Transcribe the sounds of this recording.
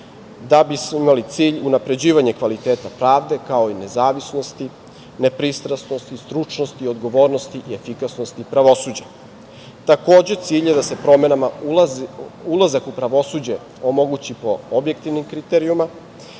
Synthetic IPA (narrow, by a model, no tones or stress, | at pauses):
d̪abismoimalit̪siːʎunapɾe̞d͡ʑiːʋaɲe̞kʋalit̪eːt̪apɾaːʋd̪e̞kao̞ine̞zaːʋisno̞st̪i | ne̞pɾist̪ɾasno̞st̪ist̪ɾut͡ʃno̞st̪io̞d̪ɡoʋo̞ːɾno̞st̪iʔie̞fikasnost̪ipɾaʋo̞suːd͡ʑa | t̪ako̞ːd͡ʑet̪siːʎed̪ase̞pɾo̞me̞nama | ulˠazakupɾaʋo̞sud͡ʑe̞ | omo̞ɡut͡ɕipo̞obje̞k̚t̪iʋnimkɾit̪eɾiuma